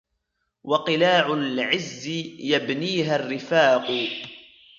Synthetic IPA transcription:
wɑqɨlaːʕʊlʕɪzːɪjabniːɦarːɪfaːqʊ

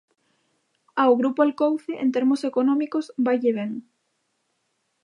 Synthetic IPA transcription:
awɣɾupoalkowθeʔḛnt̪eɾmosekonɔ̃mikosbajʎeβeŋ

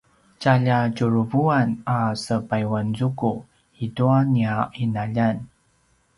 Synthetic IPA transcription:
caʎacuɾuvuanasəpajwanzuku | iduaniainaʎan

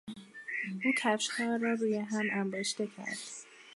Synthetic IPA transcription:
ʔuːt̪ʰæfʃkʰɒːrːɒːɾuːjeɦæmʔæmboʃt̪e̞cʰæ̰ɾd̪̥

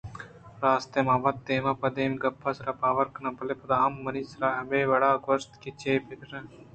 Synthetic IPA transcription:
ɾaːst̪emaːbɐt̪ːeːmãːpɐd̪eːmɡɐpːasɾapaːʋɐɾkɐnɐpɐlepɐd̪aːɐmːɐnisɾaːɦɐmeːʋɐɽaːɡost̪ket͡ʃeːpekɾɐ̃

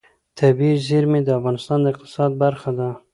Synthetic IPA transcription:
t̪ʰabiziɾmed̪əafɣɑnɪst̪ɑnd̪əɪq̚t̪ɪ̥sɑd̪̚baɾxad̪a

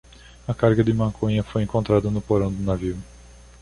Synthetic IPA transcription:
ɐkaɾɡɐd̪ɪmɐ̃kʰõɲɐfojẽŋkõnt̪ɾad̪ɐnʊpoɾɐ̃w̃d̪ʊnaviw

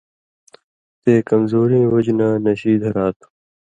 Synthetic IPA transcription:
t̪eːkɐmzoːɾẽːwɐd͡ʑnaːnɐɕiːd̪ʱɐɾaːt̪ʰ

